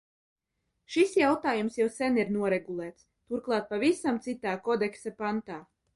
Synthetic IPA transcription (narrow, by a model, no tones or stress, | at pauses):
ʃisjawt̪aːjumsjɛwsɛniɾnuɔɾɛɡulˠɛːt̪s | t̪uɾklˠɑːt̪̚pavisamt̪sit̪aːkɔd̪ɛksapant̪aː